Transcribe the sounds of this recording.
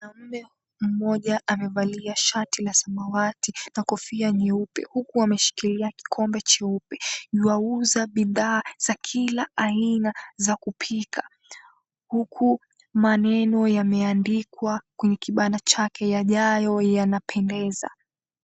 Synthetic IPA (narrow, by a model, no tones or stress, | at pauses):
nam̩nɛ | m̩mɔʄaʔamɛvaliaʃatilasamawatinakɔfiaɲɛupɛ̰hukuamɛʃi̥kiliaki̥kʰɔmbɛt͡ʃɛupɛ̥iwauzaɓiðaːz̥akʰilaainazakupʰikʰa | hukʰu | manɛnɔjamɛandikwakwɛɲɛkiɓanat͡ʃakʰɛjaʄajɔjanapʰɛndɛza̰